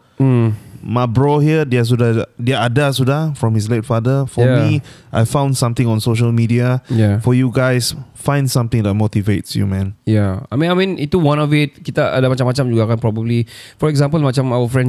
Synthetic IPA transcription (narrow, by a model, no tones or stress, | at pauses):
mabɹɔhiədɛas̬udadɛaadasudafɹɔ̃mhis̬letfadəfɔamiʔajfãw̃ndsãmt̪ɪ̃ŋɔ̃nsoʃəlmidiajafɔjuɡaɪsfãɪ̃ndsãmt̪ɪ̃ŋdɛt̚motivetsjṵmɛ̃njaa̰mĩamĩnitːuwãnɔvɪt̚kit̪aʔa̰damat͡ʃamːat͡ʃãmd͡ʒuɡakãnpɹɔbəblifɔɛkzãmpəlmat͡ʃãmawəfɹɛ̃n